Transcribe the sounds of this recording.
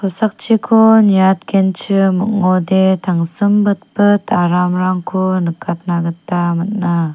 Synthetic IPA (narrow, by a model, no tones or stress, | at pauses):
kʰɔsak̚t͡ʃʰikʰonijat̪̚kʰent͡ʃʰɯmɯk̚ŋɔdetʰaŋsɯmbɯt̚bɯtaɾamɾaŋkʰunɯkʰːat̪̚naɡətːamat̚na